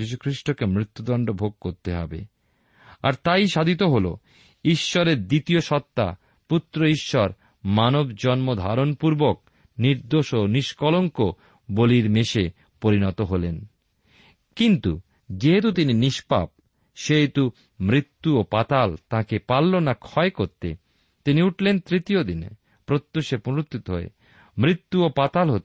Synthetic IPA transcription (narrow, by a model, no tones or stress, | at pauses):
iʃ̬ukʰɾiʃʈokemɾit̪ːud̪ɔɳɖobʱoɡ̚koɾt̪eɦɔ̰bḛ | a̰ɾt̪ajʃad̪ʱit̪oɦolo̰ | iʃːɔɾeɾd̪it̪ioʃɔt̪ːa̰ | put̪ːɾoiʃːɔɾ | manobd͡ʑɔnmod̪ʱaɾonpuɾbok̚ | niɾd̪oʃoniʃkɔloŋko | boliɾmeʃe | poɾinɔt̪oɦolen | kint̪ṵ | d͡ʑeɦet̪̬ut̪ininiʃpa̰p̚ | ʃeɦet̪u | mɾit̪ːuopat̪alt̪ãkepalːonakʰɔekoɾt̪ḛ | t̪iniuʈʰlent̪ɾit̪iod̪inḛ | pɾot̪ːoʃepoɾot̪ʰːit̪oɦoḛ | mɾit̪ːuopat̪alɦot̪